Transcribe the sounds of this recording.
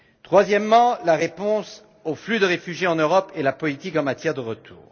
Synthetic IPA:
t̪χwazjɛmːɑ̃laʁepɔ̃s | oflyd̪əʁefyʒjeɑ̃nøʁɔpelapɔlit̪ikɑ̃mat̪jɛʁd̪əʁət̪ʰṵːʁ

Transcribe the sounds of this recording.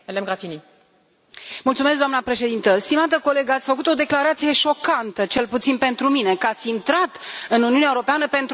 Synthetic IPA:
əlemɡɾafini | mult̪sumes̬k̚ɡd̪oamnapɾe̞ʃe̞d̪int̪əst̪imat̪əko̞le̞ɡəat̪sʲfəkut̪o̞d̪e̞klaɾat̪sije̞ʃo̞kant̪ət͡ʃe̞lput̪sinpe̞nt̪ɾumine̞kat̪sʲint̪ɾat̪ɨnuniuneaeuɾo̞peanəpe̞nt̪

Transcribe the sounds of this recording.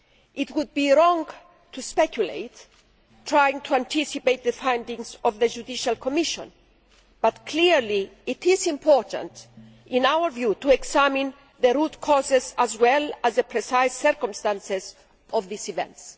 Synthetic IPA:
ʔitwud̪̚biɹɔ̃ŋ | tʰuspɛkʰjulḛɪt | tʰːɹajĩŋt̪ʰuãntʰisipejt̪̚ðəfãj̃ndĩŋzɔvðəd͡ʒudiʃalkʰɔmiʃɔ̰̃n | b̥at̪kʰliɹliːtizĩmpʰɔɹtə̰̃nt | ĩnawə˞vjutuɛksæmĩn | ðəɾutkʰɔzɪzæzwɛlæzðəpʰɹɛsajsːɛɹkɔ̃mstãnsɪz | ɔvðisivɛ̰̃nts

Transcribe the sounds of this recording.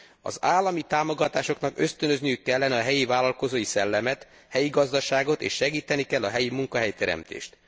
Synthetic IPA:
ɒ̰zaːlːɒmit̪aːmo̞ɡɒt̪aːʃo̞knɒkø̞st̪ønø̞znijykːɛlːɛnɛɒɦɛjivaːlɒlko̞zoːjisɛlːɛmɛt̪ | hɛjiɡɒzd̪ɒʃaːɡo̞t̪ḛːʃːɛɡiːt̪ɛnikɛlːɒɦɛjimuŋkɒɦɛjt̪ɛɾɛ̰mt̪ḛːʃt̪

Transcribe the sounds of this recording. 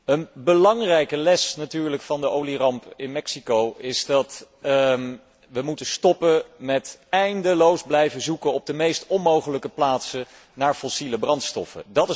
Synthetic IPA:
ənbəlɑŋrɛjkəlɛsnatyːɹləkfɑndəʔowlirɑmpɪnmɛksikowɪzdɑt | ʋəmutəstɔpəmɛtɛjndəlowzblɛjvəzukənɔb̚dəmejstɔnmowχələkəplaːtsə | naːɹfɔsiləbrɑntstɔ̰fə̰dɑtɪ

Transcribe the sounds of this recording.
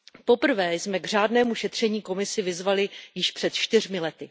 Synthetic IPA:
po̞pr̩vɛːsmɛɡr̝aːdnɛːmuʃɛt̪r̝̥ɛɲiːko̞mɪsɪvɪzvalɪjɪʃpr̥ɛt̪t͡ʃt̪ɪrmɪlɛt̪ɪ

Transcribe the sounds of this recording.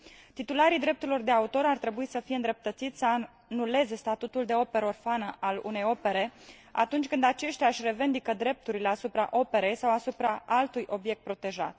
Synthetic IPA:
t̪it̪ulaɾid̪ɾe̞p̚t̪uɾilo̞rd̪e̞aut̪o̞ɾart̪ɾe̞buisəfijeɨnd̪ɾe̞p̚t̪ət̪sit̪sʲsəa | nule̞ze̞st̪at̪ut̪uld̪e̞o̞pe̞ɾəo̞rfanəʔalṵne̞jo̞pe̞ɾe̞ | a̰t̪unt͡ʃʲkɨnd̪at͡ʃe̞ʃt̪ʲjaɨʃre̞vend̪ikəd̪ɾe̞p̚t̪uɾile̞asupɾa̰ʔo̞pe̞ɾe̞jsawasupɾaʔalt̪ujʔo̞bje̞k̚t̪̚pɾo̞t̪e̞ʒa̰t̪

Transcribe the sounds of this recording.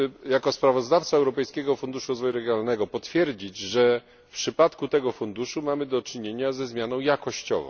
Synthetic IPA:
jakɔspɾavɔzd̪aft̪saɛwɾɔpɛjskʲɛɡɔfund̪uʂuɾɔzvɔjuɾɛɡjɔnalnɛɡɔpɔt̪fʲjɛɾd͡ʑid͡ʑʐɛ | fpʂɘpat̪kut̪ɛɡɔfund̪uʂumamɘd̪ɔt͡ʂɘɲeɲazɛzmjanɔ̃w̃jakɔɕt͡ɕɔ̰vɔ̰̃w̃

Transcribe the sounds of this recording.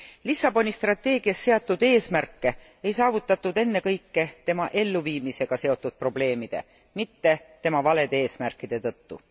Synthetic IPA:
lisːɑbo̞nʲist̪rɑt̪ːe̞ːɡ̥iɑst̪se̞ɑt̪ːˑud̪̥e̞ːsmærkːe̞ | ejsɑːvut̪ːˑɑt̪ːˑud̪e̞nːe̞kɤjkːe̞t̪e̞mɑʔe̞lːuviːmise̞ɡ̥ɑse̞o̞t̪ːˑud̪̥̚pro̞ble̞ːmid̪̥e̞̰ | mit̪ːe̞t̪e̞mɑvɑle̞d̪̥ee̞ːsmærkːˑid̪̥e̞t̪ɤt̪ːṵ

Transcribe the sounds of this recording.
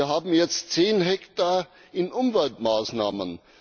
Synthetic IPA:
ɐɦaːbm̩jɛt͡stt͡seːnɦɛktaː | ɪnʔʊmvɛltmaːsna̰ːmən

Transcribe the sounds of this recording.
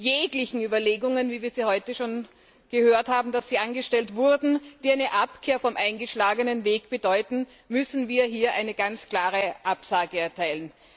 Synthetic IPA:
jeːɡlɪçn̩yːbɐleːɡʊŋənviːviːɐziːhɔʏtəʃoːn | ɡ̥əhøːɐthaːbm̩d̥asz̥iːʔanɡəʃtɛltvʊɐdn̩d̥iːaɪnəʔapkʰeːɐfɔmʔaɪnɡəʃlaːɡənənveːɡb̥ədɔʏtn̩ | mʏsn̩viːɐɦiːɐʔaɪnəɡ̥ant͡skl̥aːʁəʔapsaːɡəɛɐtʰaɪlən

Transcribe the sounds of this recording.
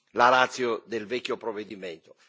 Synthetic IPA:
laɾat̪sːjod̪elvɛkʲːjopɾovːed̪iment̪o̥

